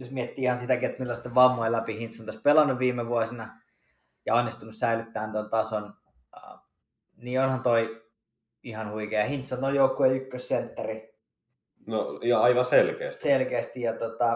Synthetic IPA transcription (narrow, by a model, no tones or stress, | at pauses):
josmiet̪ːiːihɑnsit̪ækiet̪milːæɑst̪ːeʋʋɑmːoelæpihint̪sont̪ɑspelɑnːuʋʋiːmeʋuɑsinɑ | jɑɑnːist̪unussæilyt̪ːæːnt̪ont̪ɑson̰ | niːonhɑnt̪oi | ihɑnhuikeːjɑhint̪sont̪ojoukːueykːøssent̪ːɑri | nojɑɑiʋɑselkḛːst̪selkeæːst̪ijɑt̪ot̪ɑ